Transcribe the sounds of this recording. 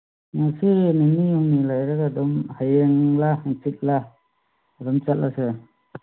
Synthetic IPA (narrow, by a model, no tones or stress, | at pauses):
nasininijɔŋnilajɾaɡadɔmhajeŋlahaŋsik̚la | dɔmt͡ʃat̚lase